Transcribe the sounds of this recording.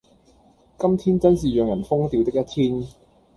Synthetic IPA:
kɐ˥mt̪ʰiː˥nt͡sɐ˥nsiː˨jœː˨˩ŋjɐ˨˩nfʊ˥ŋt̪iː˨˧wt̪ɪ˥kjɐ˥t̪ʰiː˥n

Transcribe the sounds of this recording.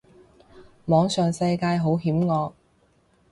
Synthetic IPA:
mɔː˨˧ŋsœː˨ŋsɐ˧jkaː˧jɦo˨˥wɦiː˨˥mŋɔː˨˧k̚

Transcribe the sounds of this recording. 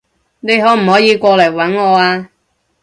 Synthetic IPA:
ne˨˧jɦɔː˨˥m̩˨˩hɔː˨˥jiː˨˧kʷɔː˧lɐ˨˩jwɐ˨˥nŋɔː˨˧aː˧

